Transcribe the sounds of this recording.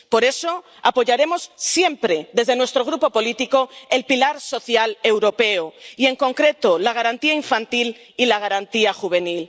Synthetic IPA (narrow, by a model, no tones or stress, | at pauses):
po̞ɾe̞so̞ | apo̞ʝaɾe̞mo̞sːje̞mpɾe̞ðe̞zðe̞nwe̞st̪ɾo̞ɣ̞ɾupo̞po̞lit̪iko̞e̞lpilaɾso̞θjale̞wɾo̞pe̞oie̞ŋko̞ŋkɾe̞t̪olaɣ̞aɾant̪iaiɱfant̪il | ilaɣaɾant̪iaxuβ̞e̞nil